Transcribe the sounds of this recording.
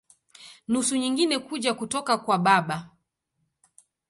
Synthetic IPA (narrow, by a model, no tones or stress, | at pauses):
nusuɲiŋɡinɛkuʄakutɔkakwaɓaɓa